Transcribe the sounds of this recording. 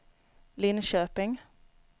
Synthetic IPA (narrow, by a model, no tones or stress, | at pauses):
lɪnʃøːpɪŋ